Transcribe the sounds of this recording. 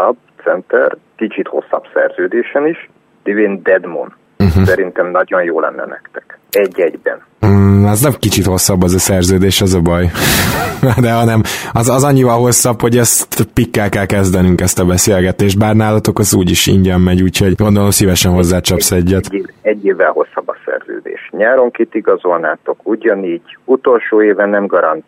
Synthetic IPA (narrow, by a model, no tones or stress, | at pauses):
ɒbt̪sɛnt̪ɛ̰rkit͡ʃit̪ho̞̰sːɒb̥sɛ̰rz̥øːd̪eːʃɛniʃ | d̪̥iveːnd̪ɛd̪mo̰n | m̩ɦ̩sɛɾint̪ɛmnɒɟo̞njoːlɛ̰nːɛ̰nɛ̰kt̪ɛ̥kɛɟːɛɟbɛ̰n | ɛznɛmkit͡ʃit̪ho̞sːɒbːɒzɒsɛrzøːd̪eːʃɒzɒbɒj | d̪ɛɦɒnɛmɒzɒzɒɲːivɒlɦo̞sːɒpho̞ɟɛst̪pikːɛlkɛlkɛzd̪ɛnyŋkɛst̪ɒbɛseːlɡɛt̪eːʃt̪̚baːrnaːlɒt̪o̞kɒzuːɟiʃḭɲɟɛmːɛɟuːcho̞ɟɡo̞nd̪o̞lo̞msivɛʃɛnɦo̞zːaːt͡ʃɒpsɛɟːɛt̪ːɛɟːeːvːɛlho̞sːɒbːɒsɛ̰rz̥ø̰ːd̪ḛːʃɲaːɾo̞ŋkit̪iɡɒzo̞lnaːt̪o̞kuːɟɒniːɟut̪o̞lʃoːeːvɛnːɛmɡɒɾɒnt̪